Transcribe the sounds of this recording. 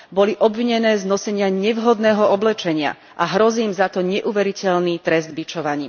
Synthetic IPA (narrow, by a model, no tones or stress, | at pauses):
bɔliʔɔbʋiɲɛnɛːznɔsɛɲɪaɲɛʋɦɔd̪nɛːɦɔɔblɛt͡ʃɛɲɪa̰ | ʔaɦɾɔziːmzat̪ɔɲɛʔuʋɛɾicɛlnit̪ɾɛzd̪bit͡ʃɔʋaɲḭːm